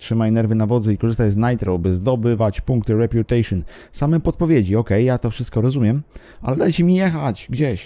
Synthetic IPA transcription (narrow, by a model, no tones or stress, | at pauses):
tʂɘmajnɛɾvɘnavɔd̪zɛikɔʐɘst̪ajznajt̪ɾɔwbɘzd̪ɔbɘvat͡ɕpuŋkt̪ɘɾɛpʲjut̪ɛjʂɔn | samɛmpɔt̪̚pɔvʲjed͡ʑiɔkɛjːat̪ɔfʂɘst̪̚kɔɾɔzumʲjɛmʔa̰lɛd̪ajt͡ɕɛmʲijɛxat͡ɕɡd͡ʑeɕ